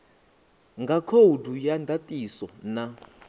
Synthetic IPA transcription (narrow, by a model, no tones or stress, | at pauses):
ŋɡʱakʰodʱujandʱatʼisɔna